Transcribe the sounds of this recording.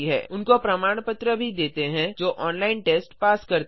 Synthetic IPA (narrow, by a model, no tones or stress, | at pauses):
iɦɛ̰ːʊnkopɾɐmaːɽ̃pət̪ɾəbʱid̪eːt̪eɦɛ̃d͡ʒoːʔɔːnlaːɪnʈeːsʈpaːskɐɾt̪